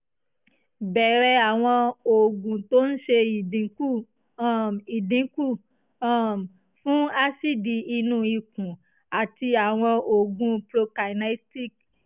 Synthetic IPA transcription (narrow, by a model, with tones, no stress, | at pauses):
bɛ˨ɾɛ˧a˨w̃ɔ̃˧o˨ɡũ˨to˦n̩˦ʃe˧i˨dĩ˨˦ku˦˨ | i˨dĩ˨˦ku˦˨˦ | fũ˦a˧si˦˨di˨i˧nũ˦˨i˧˨kũ˨ | a˨ti˧a˨w̃ɔ̃˧o˨ɡũ˧plo˧ka˨na˦ti˦k